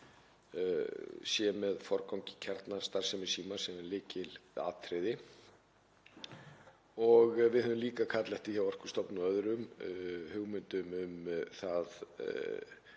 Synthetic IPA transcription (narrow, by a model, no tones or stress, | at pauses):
sjɛmɛðfɔɾkawcɪ̥cʰɛɾt̪nast̪aɾ̥sɛmɪ̥siːmasɛmɛɾlɪːcɪla̰ːt̪ʰɾɪðɪ | ɔɣvɪðhɛðʏmliːkakʰat̪lɛht̪ɪçawvar̥ku̥st̪ɔpnuœðɾʏmhʏɣmʏnt̪ʏmʏmθað